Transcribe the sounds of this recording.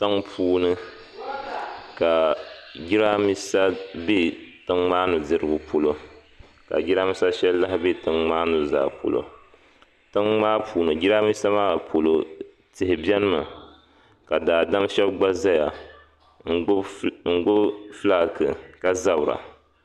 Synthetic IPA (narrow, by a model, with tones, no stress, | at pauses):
ta˦ŋpʰuː˦nɨ˦ | ka˨ɡi˦ɾa˦mi˦sa˦be˦tɨ˦ŋmaː˦nɨ˨dɨ˦ɾɨ˦ɡʊ˨pʰo˨lo˦ | ka̰˨ɡi˦ɾa˦mi˦sa˦ʃɛ˦lla˦hɪ˦be˦˨tɨ˦ŋŋ͡maː˦nɨ˨za̰ː˨po̰˨lo̰˨ | tɨ˦ŋmaː˦pʰuː˨nɨ˨d͡ʒi˦ɾa˦mi˦sa˦maː˦a˨pʰo˨lo˨ | tɪ˨hɪ˨bjɛ˦nɨ˦ma˨ | ka˨daː˨da˦mʃɛ˦bɡ͡ba˦za˦ja˨˦ | ŋ̩˨ɡʊ˦fla˦˨kɨ˨ka˦za˦bʊ˨ɾa̰˨